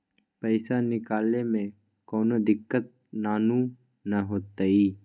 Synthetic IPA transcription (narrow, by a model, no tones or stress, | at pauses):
pəɪsanɪkaːlnemẽ | koːnod̪ɪkːət̪̚ | naːnu | nɐɦoːt̪aiː